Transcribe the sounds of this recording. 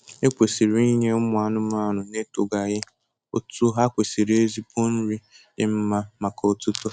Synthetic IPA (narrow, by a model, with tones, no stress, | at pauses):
e˦kʷe˨si˨ɾi˨˦i˦ɲe˦ʊ˦mʊ˨˦a˨nʊ˦m˦a˦˨nʊ˨ne˦to˨ɡa˨ɣɪ˦ | o̰˦tu˦ɦa˦kʷe˨si˨ɾe˦zi˦po˦n̩˦ɾi˦ | dɪ˦m̩˦ma˦ma˨kɔ˨o˦˨tu˦to˦